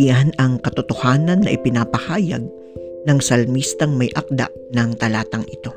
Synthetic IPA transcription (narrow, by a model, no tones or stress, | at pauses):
anɐŋkɐt̪ot̪o̞haːnɐnːɐ̰ʔɪpɪnaːpɐhaːjɐ̰ɡ̚ | nɐŋsɐlmist̪ɐŋmɐjʔɐk̚d̪a̰ʔ | nɐŋt̪ɐlaːt̪ɐŋɪt̪o̞